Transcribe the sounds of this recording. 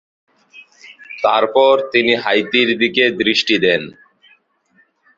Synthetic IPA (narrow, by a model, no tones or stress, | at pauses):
t̪aɾpɔɾt̪iniɦajt̪iɾd̪iked̪ɾiʃʈid̪ɛn